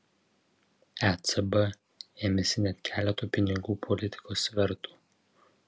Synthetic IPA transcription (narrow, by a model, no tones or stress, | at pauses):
ɛt̪sɛbɛ | eːmʲɛsʲɪnʲɛt̪ʲkʲæːlʲɛt̪oːpʲɪnʲɪɡuːpʰɔlʲɪt̪ʲɪ̥koːsʋʲɛɾt̪u̥ː